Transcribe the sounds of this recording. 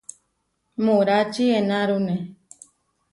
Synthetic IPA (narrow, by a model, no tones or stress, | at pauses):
mũɾat͡ʃienaɾune